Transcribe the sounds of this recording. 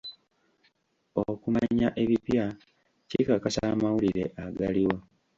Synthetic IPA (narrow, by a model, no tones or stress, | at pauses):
okumaɲaʔe̞βipja | cikakasamawuliɾe̞̰ʔaɡaliwo